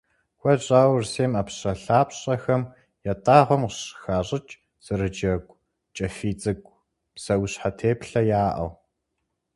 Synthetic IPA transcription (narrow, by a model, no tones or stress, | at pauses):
xʷɐɕʼaːwrseːmɐpɕʼɐɬaːpɕʼɐxɐm | jɐtʼaːʁʷɔmqɕxaːɕʼɪt͡ʃʼ | z̥ɨrɨd͡ʒɐɡʷʼ | t͡ʃʼɐfiːt͡sʼɨɡʷʼ | psɐwɕħatʰeːpɬɐjaːʔɐ̰w